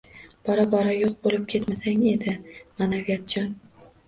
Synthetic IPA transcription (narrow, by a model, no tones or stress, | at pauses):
b̥ɒɾabɒɾajoq̚bolɪp̚kʲʰe̞t̪masaŋe̞d̪ɪmanavijat̪̚d͡ʒɒn